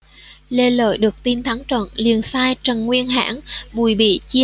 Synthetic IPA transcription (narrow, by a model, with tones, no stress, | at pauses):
le˧lə̰ː˧˨jɗɨ˨˩ək̚t̪i˧nt̪ʰa˨˦ŋt͡ɕə̰˧˨nli˨˧˩ənsaː˧jt͡ɕə˨˩nŋwi˧ənɦa̰ː˧˥nɓu˧˩jɓḭ˧˨t͡ɕi˧